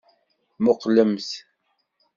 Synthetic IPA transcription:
moqləms

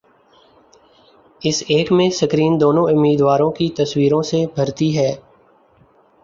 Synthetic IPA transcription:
ɪseːkmẽsəkɾiːnd̪oːnõʊmːiːd̪ʋaːɾõkit̪əswiːɾõsebʱəɾt̪iɦɛː

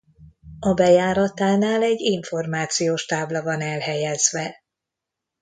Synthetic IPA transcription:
ɒbɛjaːɾɒt̪aːnaːlɛɟːiɱfo̞rmaːt̪sijoːʃt̪aːblɒvɒnɛlɦɛjɛzvɛ

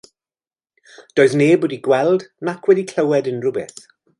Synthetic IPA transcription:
d̥oːɨðneːboːdiɡwɛlˠdnakʰwɛdikʰl̥əwɛdənrʊbɪθ

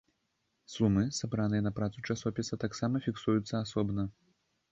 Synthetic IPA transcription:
sumɨsabɾanɨjɐnɐpɾat̪sut͡ʂasɔpʲisɐt̪aksamɐfʲiksujut̪sːɐasɔbnɐ

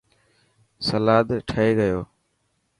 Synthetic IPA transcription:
səlaːd̪ʈʰəeːɡəjoː

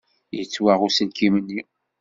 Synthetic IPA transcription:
jət͡sːwaʁʊsəlkimənːi

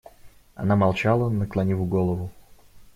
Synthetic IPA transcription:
ɐ̰namɐlˠt͡ɕalˠənəklˠɐnʲivʊɡolˠəvʊ

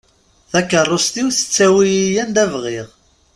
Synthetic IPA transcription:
θækːərˤːost̪iwθə̥t͡sːæwijijænd̪ævʁiʁ

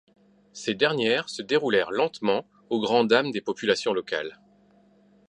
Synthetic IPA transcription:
sed̪ɛʁnjɛːʁsəd̪eʁulɛʁlɑ̃t̪mɑ̃ | oɡʁɑ̃d̪amd̪epɔpylasjɔ̃lɔka̰l

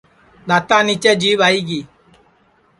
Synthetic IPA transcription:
nat̪anĩt͡ʃɛd͡ʒiɓaiɡi

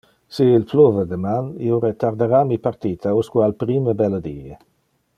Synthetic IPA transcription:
siːlplovəd̪əmanḭoɾet̪aɾd̪eɾamipaɾt̪iːt̪ʰauskualpɾiməbɛləd̪iːe

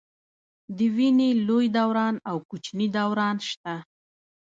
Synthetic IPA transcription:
d̪əwinelojd̪awɾɑnawkut͡ʃnid̪awɾɑnʃt̪a

